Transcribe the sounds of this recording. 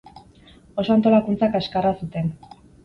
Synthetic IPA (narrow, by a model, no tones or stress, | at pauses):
o̞so̞ant̪o̞lakunt͡sakaskarasut̪e̞n